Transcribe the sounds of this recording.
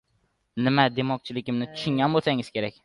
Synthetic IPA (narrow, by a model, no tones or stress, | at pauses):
nɪmad̪e̞mɒk̚t͡ʃʰɪlɪkʲɪmnɪt̪ʰʊ̥ʃɪŋɡʲanbolˠsaŋɪz̥kʲʰe̞ɾakʲ